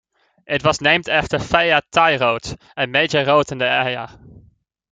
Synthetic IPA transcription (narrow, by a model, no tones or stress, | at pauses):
ɪtʋɑsnejmtɛftəɹfɛjatajrot | ənmejd͡ʒərowtɪndəɛja